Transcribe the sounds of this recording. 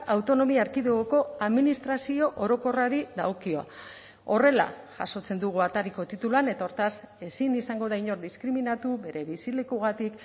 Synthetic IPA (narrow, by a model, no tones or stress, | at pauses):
awt̪o̞no̞miaːɾkiðeɣoko̞aðminist̪ɾasio̞ʔoɾo̞ko̞raɾiða̰okio̞a̰ | o̞re̞la̰ | ʝaso̞t͡se̞nd̪uɣ̞uat̪aɾiko̞t̪it̪uluane̞t̪ao̞ɾt̪as | e̞sinisaŋɡo̞ðajɲo̞ɾd̪iskɾiminat̪uβe̞ɾe̞βisile̞kuɣ̞at̪ik